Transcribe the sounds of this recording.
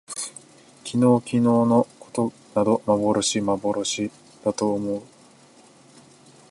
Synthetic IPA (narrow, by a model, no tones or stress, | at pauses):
kʲino̞ːkʲino̞ːno̞ko̞̥t̪o̞ | nad̪o̞mabo̞ɾo̞ɕimabo̞ɾo̞ɕi | d̪̥at̪o̞ːmo̞ɯ